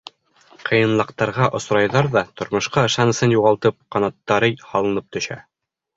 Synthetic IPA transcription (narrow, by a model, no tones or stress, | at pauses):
qʰɤ̆jɤ̆nlˠɤ̆qt̪ɑɾʁɑʔŏsɾɑjðɑɾðɑt̪ŏɾmŏʃqɑɤ̆ʃɑnɤ̆sɤnjuʁɑlˠt̪ɤp̚qɑnɑt̪ːɑɾɤjhɑlˠɤ̆nɤp̚t̪ɵ̆ʃæ̰